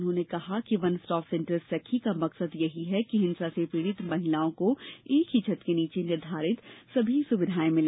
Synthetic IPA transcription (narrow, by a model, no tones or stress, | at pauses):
nɦõnekɐɦakiʋɐnsʈɔːfsẽɳʈəssɛkʰːikamɐksəd̪jɐɦiɦɛkiɦɪnsasepɾiːɽ̃ɪt̪mɐɦɪlaːõkoeːkɦit͡ʃʰət̪keniːt͡ʃenɪɾd̪ʱaːɾɪt̪sɐbʱisʊʋɪd̪ʱaːẽmɪ̃l